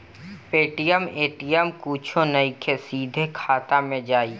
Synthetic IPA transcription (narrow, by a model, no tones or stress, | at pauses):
peːʈijəmeːʈijəmkuːt͡ʃʰõnɐikʰesiːd̪ʱekʰaːt̪amẽd͡ʒaːiː